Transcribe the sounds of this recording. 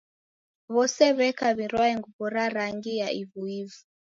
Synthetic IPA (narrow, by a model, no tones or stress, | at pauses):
βɔsɛβɛkaβiɾwaɛŋɡuβɔɾaɾaŋɡijaʔiβuivu